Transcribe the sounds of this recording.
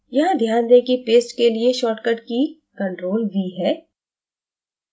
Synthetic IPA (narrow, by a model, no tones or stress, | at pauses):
jɐɦãd̪ʱjaːnd̪ekipeːsʈkelieʃɔːʈkəʈkikə̃ɳʈɾoːlʋiːɦɛː